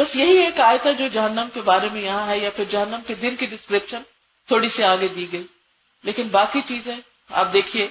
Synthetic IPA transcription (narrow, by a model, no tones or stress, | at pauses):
bɐsjɐɦieːkaːɪt̪ad͡ʒoːd͡ʒɐɦənːəmkebaːɾemẽjɐɦãɦɛjapʰɪɾd͡ʒɐɦənːəmked̪ɪnkiɖɪskɾɪpʃən | t̪ʰoːɽiseaːɡed̪iːɡɐi | leːkɪnbaːkit͡ʃiːzɦɛ̃ | a̰ːp̚d̪eːkʰieː